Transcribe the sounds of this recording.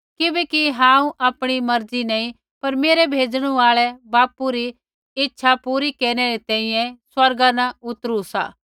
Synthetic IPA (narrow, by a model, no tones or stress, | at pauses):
kɪbɛkiɦãːũʔaːpɽ̃imɐɾd͡zinɐĩ | pɐɾmeːɾɛbʱeːd͡ʒɽ̃ũaːɭɛbaːpuɾi | ɪtːʃʰapuːɾikeːɾɽ̃ɛɾet̪ɛ̃ːĩjɛ̃swɐɾɡanaʊt̪ɾusa̰ː